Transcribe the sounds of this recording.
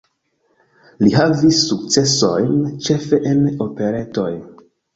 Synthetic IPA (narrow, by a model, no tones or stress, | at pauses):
liɦavisːuk̚t͡se̞so̞jnt͡ʃe̞fe̞ʔeno̞pe̞ɾe̞to̞j